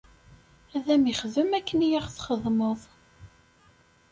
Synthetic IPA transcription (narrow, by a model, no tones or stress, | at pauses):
æðæmiχəðəmækːənijæʁθχəðˤməðˤ